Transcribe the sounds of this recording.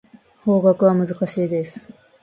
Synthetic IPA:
ho̞ːɡakɯ̟βamɯ̟zɨkaɕiːd̪e̞sɨ̥

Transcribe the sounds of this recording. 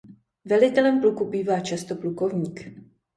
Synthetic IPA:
vɛlɪt̪ɛlɛmplukubiːvaːt͡ʃast̪o̞pluko̞vɲiːk

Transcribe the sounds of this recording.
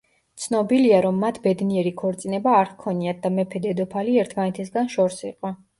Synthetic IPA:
t̪sʰnɔbiliaɾɔmːat̪ʰbɛd̪niɛɾikʰɔɾt̪sʼinɛbaːɾkʰɔniad̪̚d̪amɛpʰɛd̪ɛd̪ɔpʰaliɛɾt̪ʰmanɛt̪ʰɛsɡanʃɔɾsiqʼɔ

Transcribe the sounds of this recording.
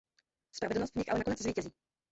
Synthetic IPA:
spɾavɛdl̩nost̪vɲɪxʔalɛnakonɛt͡sziːcɛziː

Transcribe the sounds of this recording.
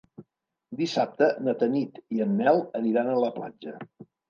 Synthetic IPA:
d̪isap̚t̪ənət̪ənit̪iənːɛlˠəniɾanələpla̰d͡ʒə

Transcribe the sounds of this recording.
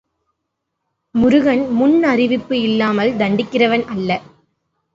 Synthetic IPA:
mʊɾɯɣɐnmʊnɐrɪʋɪpːɯɪlːaːmɐld̪ɐɳɖɪkːɪrɐʋɐnɐlːɐ

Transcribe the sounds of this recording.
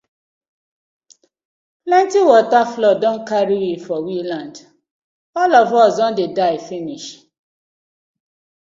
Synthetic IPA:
plãntiwɔtaflɔdɔ̃nkaɾiwifɔwilãnd | ɔlɔvɔsdɔ̃ndedaɪfiniʃ

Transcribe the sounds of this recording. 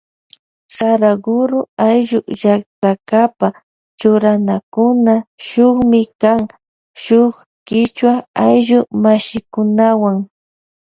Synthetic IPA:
saɾaɡʊɾʊajʒʊʒak̚t̪akapa | t͡ʃʊɾanakʊnaʃʊχmɪkaŋ | ʃʊχ | kɪt͡ʃwaajʒʊmaʃɪkʊnawaŋ

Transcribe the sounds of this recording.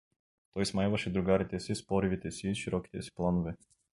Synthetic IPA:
t̪ɔjsmajvaʃɛd̪ɾuɡaɾit̪ɛsispɔɾivit̪ɛsiːʃiɾɔkʲi̥t̪ɛsi̥plˠanovɛ

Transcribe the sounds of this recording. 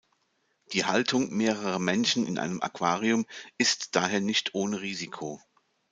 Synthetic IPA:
d̥iːhaltʰʊŋmeːʁəʁəmɛnʃn̩ɪ̰nʔa̰ɪnəmʔa̰kv̥aːʁiʊmɪstd̥aːɦeːɐnɪçtʰʔoːnəʁiːzikʰoː

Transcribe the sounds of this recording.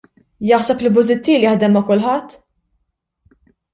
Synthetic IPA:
jɐħsɛplɪbʊzɪt̪ːiːljɐħd̪ɛmːɐkʊlħɐt̪ː

